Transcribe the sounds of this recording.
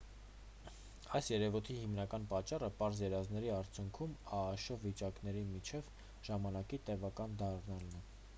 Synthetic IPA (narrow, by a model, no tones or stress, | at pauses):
ɑjsjɛɾɛvut̪ʰihimnɑkɑnpɑt͡ʃːɑrəpɑɾzjɛɾɑznɛɾiɑɾt͡sʰjuŋkʰumɑːʃɔvːit͡ʃɑknɛɾimit͡ʃʰɛv | ʒ̥ɑmɑnɑkit̪ɛvɑkɑnd̪ɑrnɑlnɛ